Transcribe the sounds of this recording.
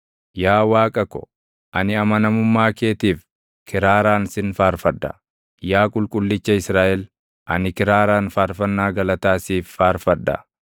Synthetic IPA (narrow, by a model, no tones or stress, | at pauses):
jaːwaːkʼɐkɔ̥̰ | ʔɐnɪɐmɐnɐmʊmːaːke̞ːt̪iːf | kʰɪɾaːɾaːnsɪnfaːɾfɐd̪ːɐ̰ | jaːkʼʊlkʼʊlːɪt͡ʃːɐɪsɾaːʔɛl | ʔɐnɪkɪɾaːɾaːnfaːɾfɐnːaːɡɐlɐt̪aːsiːfːaːɾfɐd̪ːɐ̰